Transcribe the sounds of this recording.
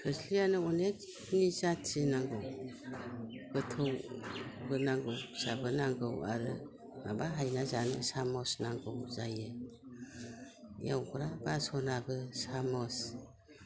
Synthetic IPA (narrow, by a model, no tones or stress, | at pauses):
kʰɯslijanɯɔnek̚ | nizatʰsinaŋɡɯw | ɡ̥ɯtʰɯwbɯnaŋɡɯwsabɯnaŋɡɯwa̰ɾɯ | na̰baɦajnazanɯsamɔsnaŋɡɯwzajɯ | ja̰wɡɯɾabasɔnaɡɯsamɔs